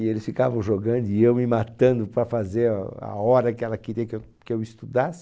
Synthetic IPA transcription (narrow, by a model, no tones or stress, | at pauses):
ɪelɪsfikavɐ̃w̃ʒoɡɐ̃nd̪ʊiewmɪmat̪ɐ̃nd̪ʊpɾɐfazeɾa̰ɔɾɐkɪɛlɐkeɾiɐkew | kɪewist̪ud̪asɪ̥